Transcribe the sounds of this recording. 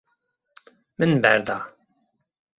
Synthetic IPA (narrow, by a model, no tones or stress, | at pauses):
mənbæɾd̪ɑ